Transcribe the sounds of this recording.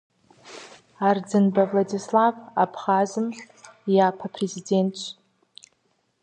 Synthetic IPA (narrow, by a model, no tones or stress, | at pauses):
ard͡zɨnbavladislava̰pʰχazɨm | japʰapʰrezidentʰt͡ʃʷ